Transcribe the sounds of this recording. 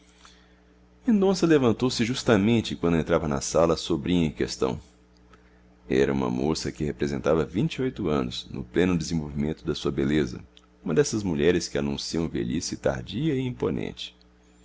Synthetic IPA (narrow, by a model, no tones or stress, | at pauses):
mẽnd̪õsɐlevɐ̃nt̪owsɪʒust̪ɐmẽnt͡ʃɪkwɐ̃nd̪ʊẽnt̪ɾavɐnɐ̰salɐsobɾĩɲɐɪ̃kest̪ɐ̰̃w̃ | ɛ̰ɾɐ̰ũmɐ̰mosɐkɪhepɾezẽnt̪avɐvĩnt͡ʃiojt̪ʊɐ̃nʊsnʊ̰plẽnʊd̪ezẽvowvimẽnt̪ʊd̪ɐsuɐbelezɐ̰ | ũmɐd̪ɛsɐzmuʎɛɾɪskɪanũsiɐ̃w̃vḛlisɪt̪a̰ɾd͡ʒiɐɪĩmponḛ̃nt͡ʃɪ̥